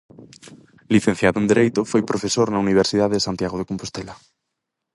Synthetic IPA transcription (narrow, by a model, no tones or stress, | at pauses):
liθẽn̟θjaðoend̪eɾejt̪ofojpɾofesoɾnauniβ̞eɾsiðaðeðesant̪jaɣoðekompost̪ela